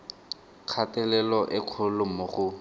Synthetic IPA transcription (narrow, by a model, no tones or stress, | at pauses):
kʰatɛlɛlɔʔɪq͡χʰʊlʊmʊχʊ